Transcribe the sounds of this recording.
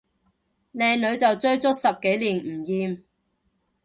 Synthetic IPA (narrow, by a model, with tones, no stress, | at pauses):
lɛː˨˧ŋlɵ˨˧ɥt͡sɐ˨wt͡sɵ˥ɥt͡sʊ˥t̚sɐ˨p̚ke˨˥jliː˨˩n̩˨˩jiː˨m